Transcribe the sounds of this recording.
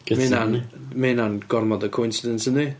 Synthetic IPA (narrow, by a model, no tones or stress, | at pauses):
ɡmenanmenanɡɔrmɔdəkʰoʊɪnsɪdəntəni